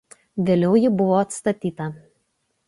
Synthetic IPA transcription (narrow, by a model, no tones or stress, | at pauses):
ʋʲeːlʲɛʊjɪbʊʋoːɐt̪st̪ɐt̪ʲiːt̪ɐ